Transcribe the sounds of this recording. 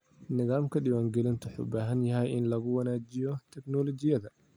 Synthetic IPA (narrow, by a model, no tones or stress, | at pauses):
nɪðaːmkʰɐɗɪwaːŋɡɛlɪnt̪ʰʊħʊ̰baːɦɐnjɐɦɛjɪnlɐɣʊwɐnaːd͡ʒɪjɔt̪ʰɛknɔlɔt͡ʃɪjɐðɐ